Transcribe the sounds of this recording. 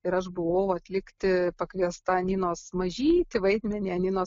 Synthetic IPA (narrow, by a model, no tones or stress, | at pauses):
ɪɾɐʃbʊʋɐːwʊɐt̪ʲlʲɪkt̪ʲɪpɐkʋʲiɛst̪ɐɐnʲɪnoːsmɐʒʲiːt̪ʲɪʋɐɪd̪ʲmʲɛnʲiːɐnʲɪnoː